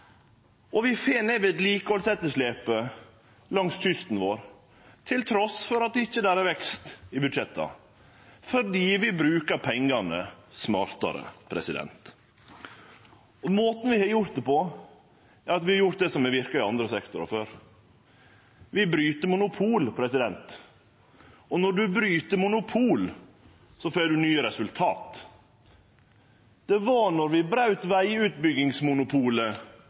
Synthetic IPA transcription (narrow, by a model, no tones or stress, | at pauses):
ɔʋɪfeːnɛʋɪt̪liːkəhɔlsɛt̪ːəʂleːpə | lɑŋsʃʏst̪n̩ʋoːɾ | t̪ʰɪlt̪ʰɾɔsfɔɾɑt̪d̪ɛɪçːəd̪æːɾæɾʋɛkst̪ɪbʉd̪ʂɛt̪ʰːɑ̰ | fɔɾɖiːʋɪbɾʉːkɑɾpʰɛŋɡɑnəsmɑːɾt̪ɑ̰ɾə̰pʰɾɛ̰sɪd̪ɛ̰nt̪ | moːt̪n̩ʋɪhɑɾjʊɾt̪̚d̪əpʰɔ | æɾɑt̪ʋɪhɑɾjʊɾt̪̚d̪ɛsɔmɛʋɪɾkɑɪɑnd̪ɾəsɛkt̪ʊɾɑ̰føːɾ | ʋɪbɾyːt̪əmʊnʊpʰuːlpʰɾɛsɪd̪ɛnt̪ | ɔnɔɖʉbɾyːt̪əmʊnʊpʰuːl | sɔfɛd̪ʉnyːəɾɛsʉlt̪ʰɑːt̪ | d̪̥ɛʋɑnɔɾʋɪbɾɑʉt̪ʋæɪʉːt̪̚bʏɡɪŋsmʊnʊpʰuːlə